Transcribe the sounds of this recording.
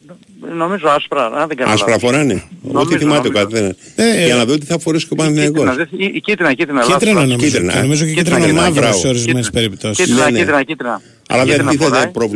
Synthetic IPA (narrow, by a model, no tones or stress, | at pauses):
nomizoɐspɾɐɐðeɡɐɐ̰spɾɐfoɾɐneɣot̪iθimɐt̪eokɐθenɐs | ʝɐnɐðoot̪̬iθɐfoɾiskopɐninɐɣocit̪ɾnɐcit̪ɾnɐit̪ɾenonomizɾenɐ̰enomizoceit̪ɾenmɐvɾɐosseoɾizmenespeɾipt̪o̞siineneiɾnɐit̪ɾɐ | ɐ̰lɐðilɐðiiiθet̪epɾovl